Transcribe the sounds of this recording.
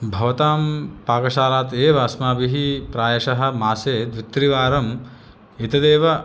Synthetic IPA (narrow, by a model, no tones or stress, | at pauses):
bʱɐʋɐt̪aːmpaːkɐʃaːlaːt̪eːʋaːsmaːbiɦipɾaːjɐʃɐɦɐ̆maːseːd̪ʋit̪ɾiʋaːɾɐm | it̪ɐd̪eːʋɐ